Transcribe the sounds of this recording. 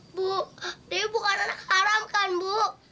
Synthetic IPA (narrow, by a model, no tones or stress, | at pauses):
buʔdibukananakhaɾamkanbuk